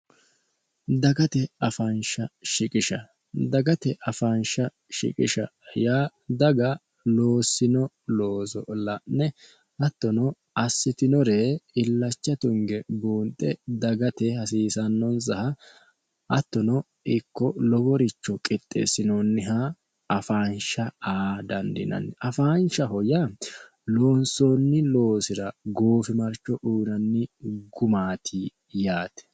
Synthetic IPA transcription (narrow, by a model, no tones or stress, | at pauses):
d̪ɐɡɐt̪ɛɐfɐnʃɐʃɪkʼɪʃɐ | d̪ɐɡɐt̪ɛʔɐfɐnʃɐ | ʃɪ̰kʼɪʃɐjaː | d̪ɐɡɐ | loːsɪnɔ | loːsɔlɐnːɛ | hɐt̪ːɔnɔ | ɐsːɪt̪ɪnɔɾeɪlːɐt͡ʃːɐt̪ʊŋɡɛbuːnt̪ʼːɛd̪ɐɡɐt̪ɛhɐsiːsɐnːɔnsɐhɐ | ʔɐt̪ːɔnɔ | ɪkːɔlɔɡɔɾɪt͡ʃːɔkʼɪt̪ʼːḛsɪnonːɪɦɐ | ɐfaːnʃɐaːd̪ɐnd̪ɪ̰nɐ̰nːɪʔɐfaːnʃɐhɔjɐ | lo̞ːnsoːnːɪlo̞ːsɪɾɐɡoːfɪmɐɾt͡ʃːɔʔuːnɐnːɪɡʊmaːt̪ʰɪ | jaːt̪ɛ̥